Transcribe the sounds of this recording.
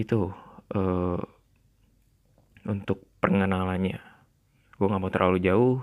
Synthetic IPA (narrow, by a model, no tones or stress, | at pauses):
it̪uʔə | unt̪ʊk̚pərŋənalaɲa | ɡaŋamat̪əɾlalud͡ʒaʊ